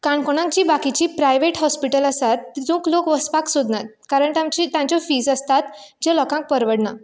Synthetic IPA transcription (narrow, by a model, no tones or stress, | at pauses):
kaɳkoɽ̃ãŋkd͡ʑiːbakit͡ɕiːpɾajʋeʈɦɔspiʈələsat̪ːd̪ũːklokʋəspaksod̪nat̪̚kaɾəɳt̪amt͡ɕit̪jãɲt͡ɕɔfiːd͡zəst̪at̪d͡ʑelɔkãŋk̚pəɾʋəɽna